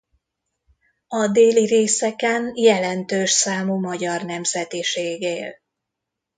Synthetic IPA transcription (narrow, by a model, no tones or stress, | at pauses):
ɒd̪eːliɾeːsɛkɛnjɛlɛnt̪øːʃsaːmuːmɒɟɒrnɛmzɛt̪iʃeːɡeːl